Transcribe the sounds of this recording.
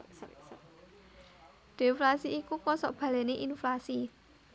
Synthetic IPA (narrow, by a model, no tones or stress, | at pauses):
d̪̥eflasiːkukɔsɔʔb̥ä̤lɛneʔinflasi